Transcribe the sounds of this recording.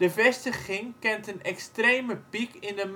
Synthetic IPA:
dəvɛstəχɪŋkɛntənɛkstrejməpikɪndəm

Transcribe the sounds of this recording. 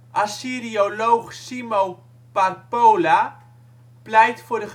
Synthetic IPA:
asiɾiolowχsimow | paɾpowla | plɛjtfoɾχ

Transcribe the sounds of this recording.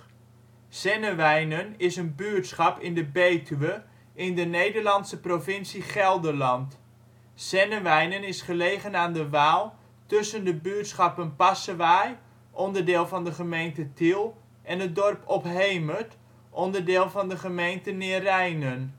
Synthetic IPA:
sɛnəʋɛjnənɪsənbyətsχɑpɪndəbeːtʰyʋə | ɪndənejdəɹlɑntsəprovɪnsiχɛlˠdəlɑnt | sɛnəʋɛjnənɪsχəlejχənaːndəʋaːlˠ | tɵsəndəbyətsχɑpənpasəʋaj | ʔɔndəɹdɪːlˠvɑndəχəmejntətilˠ | ʔɛnət̚dɔrpʰɔpɦejmət | ʔɔndəɹdɪːlˠvɑndəχəmejntənɪərɛjnən

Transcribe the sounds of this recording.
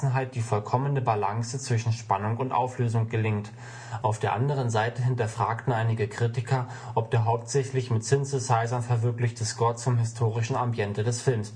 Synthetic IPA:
n̩ɦaɪt̚d̥iːfɔlkʰɔmənəbalaŋsət͡sv̥ɪʃn̩ʃpanʊŋʊntʔa̰ʊfløːzʊŋɡ̥əlɪŋt | ʔaʊfd̥eːɐʔandəʁ̞ənzaɪtəɦɪntɐfʁ̥aːktn̩ʔaɪnɪɡəkʁ̥itɪkʰɐ | ʔɔp̚d̥eːɐɦaʊp̚tz̥ɛçlɪçmɪtsɪnsɪsaɪzɐnfɛɐvɪɐklɪçtəskɔɐt͡sʊmɦɪstʰoːʁ̞ɪʃn̩ambiɛntədɛsfɪlms

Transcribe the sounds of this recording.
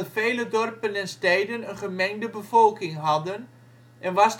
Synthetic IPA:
feːlədɔrpənɛnstɛːdənənχəmɛŋdəbəfolˠkɪŋɦɑdən | ʔɛnʋas

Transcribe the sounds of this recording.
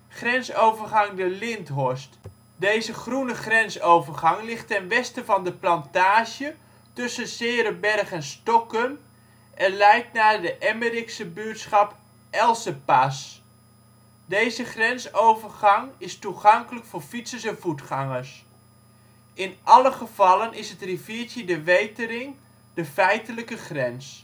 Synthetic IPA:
χrɛnsowvərχɑŋdəlɪntɦɔɹst | dejzəχrunəχrɛnsowvərχɑŋlɪχtɛnʋɛstəvɑndəplɑntaːʒjə | tɵsənsɪːɾəbɛrχɛnstɔkən | ʔɛnlɛjk̚tnaːdəʔɛməriksəbyətsχɑp | ʔɛlˠsəpas | dejzəχrɛnsowvərχɑŋɪstuχɑŋkələkfʊːɹfitsəsɛnvutχɑŋəɹs | ɪnʔɑləχəv̥ɑlənɪsətriviːɹtjədəʋejtəɾɪŋ | d̥əfɛjtələkəχrɛns

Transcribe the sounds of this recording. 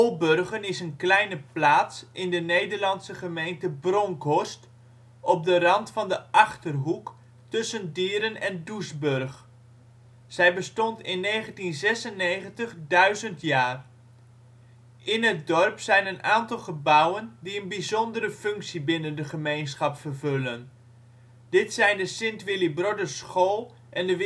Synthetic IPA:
olˠbørχənɪsənklɛjnəplaːtsʔɪndənejdərlɑnsəχəmejntəbrɔŋkɔst | ʔɔp̚dərɑntfɑndəʔɑχtərɦuk | tɵsəndɪːɾənɛndusbørχ | z̥ɛjbəstɔntɪnːejχəntinzɛsənːejχəntəχdœɥzəntjaːr | ʔɪnɦət̚dɔrpsɛjnənʔaːntɑlˠχəbʌwəndiənbizɔndərəfʏŋksibɪnəndəχəmejnsχɑpfərvølən | d̥ɪtsɛjndəsɪntʋɪlibrodəsχoːlˠ | ʔɛndəʋ

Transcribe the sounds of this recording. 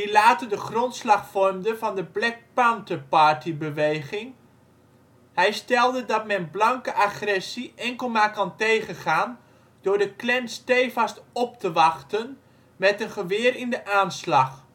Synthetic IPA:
dilaːtədəχrɔntslɑχfɔrmdəvɑndəblɛk̚pantəpaɹtibəʋejχɪŋ | ɦɛjstɛlˠdədɑtmɛnblɑŋkəʔaχrɛsiʔɛŋkəlˠmaːkɑntejχənχaːn | dʊːɹdəklɛnstejfastɔp̚təʋɑχtən | mɛtənχəʋɪːrɪndəʔaːnslɑχ

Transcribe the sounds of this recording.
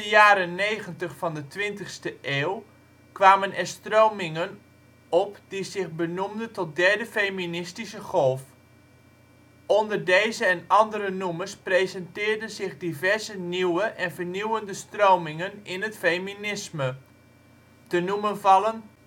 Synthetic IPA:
əjaːɾənejχəntəχfɑndətʋɪntəχstəʔeːw | kʋaːmənɛɹstrowmɪŋən | ɔpdizɪχbənumdəntɔt̚dɛɹdəfejminɪstisəχɔlˠf | ɔndərdejzəɛnɑndəɾənumərsprejzɛntɪːɹdənzɪχdivɛɹzəniwəʔɛnvəɹniwəndəstrowmɪŋənɪnɦətfejminɪsmə | dənumənvɑlən

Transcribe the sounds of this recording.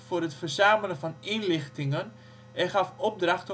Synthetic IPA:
fʊːrətfərzaːmələnvɑninlɪχtɪŋən | ɛχɑfɔp̚drɑχt

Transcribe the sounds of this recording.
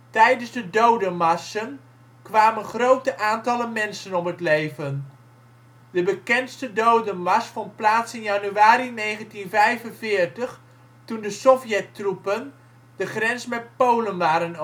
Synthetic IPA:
tɛjdənzdədowdəmɑsən | kʋaːmənχrowtəʔaːntɑləmɛnsənɔpɦətlejvən | dəbəkɛnstədowdəmɑsfɔnt̚plaːtsɪnjɑnyaːɾinejχəntinvɛjvənvɪːɹtəχ | tundəsɔfjɛtrupən | d̥əχrɛnsmɛt̚powlənʋaːɾən

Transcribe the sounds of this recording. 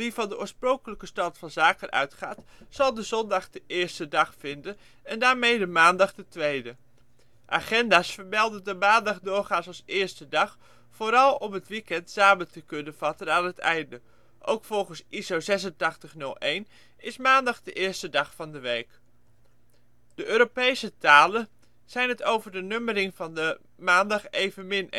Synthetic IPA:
ʋivɑndəʔʊːɹsproŋkələkəstɑtfɑnzaːkənʔœ̰ɥtχaːtsɑlˠdəzɔndɑχdəʔɪːɹstədɑχfɪndən | ɛndaːɹmejdəmaːndɑχdətʋejdə | ʔa̰ːχɛndaːsfəɹmɛlˠdədəmaːndɑχdʊːɹχaːnsɑsɪːɹstədɑχ | foːɾɑlˠɔmɦətʋikɛntsaːbətəkɵnənv̥ɑtənaːnɦətɛjndə | ʔowkfɔlˠχənsʔizowzɛsəntɑχtəχnɵlˠejn | ɪsmaːndɑχdəʔɪːɹstədɑχfɑndəʋejk | d̥əʔøːɾopejsətaːlə | z̥ɛjnɦətowvəɹdənømərɪŋvɑndə | maːndɑχejvənmɪn

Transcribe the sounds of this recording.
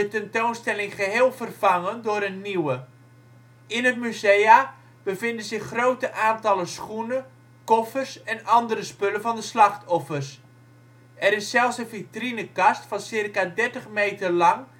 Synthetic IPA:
ətɛntownstɛlɪŋχəɦeːlˠvərv̥ɑŋəndʊːɾənːiwə | ɪnət̚myzeja | bəvɪndənzɪxːrowtəʔaːntɑləsχunə | kɔfərsɛnɑndəɾəspɵləvɑndəslɑχtʰɔfərs | ɛɾɪsːɛlˠfsənvitrinəkɑstfɑnsɪrkadɛrtəχmejtərlɑŋ

